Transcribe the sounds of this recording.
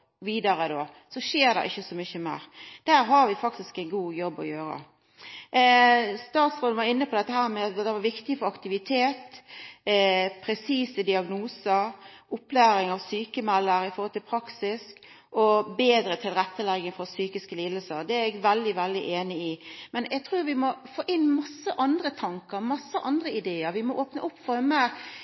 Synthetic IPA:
ʋiːd̪ɑɾəd̪oː | sɔʃeːɾd̪ɛ̰ʔɪçːəsɔmʏçəmḛːɾd̪̥æːɾɦɑɾʋɪfɑkt̪ɪskɛɪnɡuːjɔbːɔ̰jøːɾə̰ | st̪ɑːt̪sɾoːn̩ʋɑɾɪnːəpʰɔd̪ɛt̪ːəhæːɾmɛɑd̪ɛʋɑɾʋɪkt̪ɪəfɔɾɑkt̪ɪʋɪt̪ʰeːt̪ | pʰɾɛsiːsəd̪ɪɑɡnuːsəɾʊpːlæːɾɪŋɑʋsyːkəmɛlːəɾɪfɔɾhɔlt̪ʰɪlpʰɾɑksɪsk | ʔɔbeːd̪ɾət̪ʰɪlɾɛt̪ːəlɛɡːəŋfɔɾsyːkɪskəliːd̪əlsəɾd̪ɛæɾɛɡʋɛld̪ɪʋɛld̪ɪʔeːnɪɪmɛnɛɡ̚t̪ʰɾuːɾʋɪmɔfoːʔɪnmɑsːəʔɑnd̪ɾət̪ʰɑŋkəɾmɑsːəʔɑnd̪ɾəɪd̪eːəɾʋɪmɔʔoːpnəʔʊpːfɔɾməɾ

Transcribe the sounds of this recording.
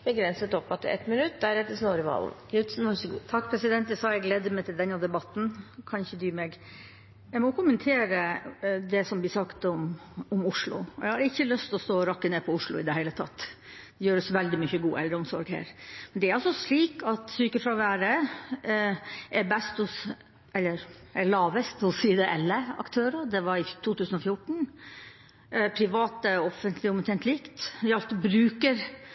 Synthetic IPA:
bəɡɾɛnsət̪ɔpːɑt̪ːɛ̰t̪mɪnʉt̪ːd̪æɾɛt̪ːəsnoːɾəʋɑ̰ːlnɡɾʉt̪snʋɑʂəɡṵːt̪ʰɑkːpʰɾɛsɪd̪ɛnt̪d̪ɛsɑːɛɡleːd̪ːəmɛɪt̪ɪld̪ɛnːɑd̪ɛbɑt̪ːn̩kʰɑnɪçəd̪yːmɛɡ | jæɪmɔkʰʊmːənt̪ʰeːɾəd̪ɛsɔmʋɪsɑkt̪ɔmɔmʊʂlʊ̰ɔjɛɡhɑɾəɪçːəlœst̪ɔst̪oːɾɑkːəneːpʰɔʊʂɭʊ̰ɪd̪ɛhæɪlət̪ʰɑ̰t̪ː | d̪ɛjøːɾəsʋɛld̪ɪmʏçəɡuːʔɛld̪ɾəɔmsɔɾɡhæ̰ːɾmɛnd̪ɛæɾɑlsɔsliːkɑt̪syːkəfɾɑʋæːɾə | ʔɛɾbɛst̪ɔs | ɛlːəɾ | ɛɭɑːʋəst̪ɔsiːd̪ɛʔɛlːəɑ̰kt̪ʰøːɾəd̪ɛʋɑɾɪt̪ʰuːt̪ʉːsnɔfjʊʈːɳ̩ | pʰɾɪʋɑːt̪əɔfənt̪ʰlɪʊmʉt̪ʰɛnt̪ʰliːkt̪ɪɑlt̪bɾʉːkəɾ

